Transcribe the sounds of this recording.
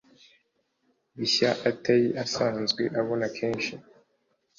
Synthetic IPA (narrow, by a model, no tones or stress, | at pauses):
βiɕaʔatajiʔasaːnzɡweʔaβo̞nakʰeːnʃi